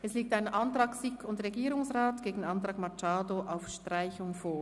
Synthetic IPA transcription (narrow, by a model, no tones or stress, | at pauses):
ʔɛsliːk̚taɪnəʔɑntʁ̥ɑːksɪkʰʊntʁeɡiːɾʊŋsʁaːtɡ̥eːɡŋ̩ɑntʁ̥ɑːkmat͡ʃaːdoʔaʊfʃtʁaɪçʊŋfoːɐ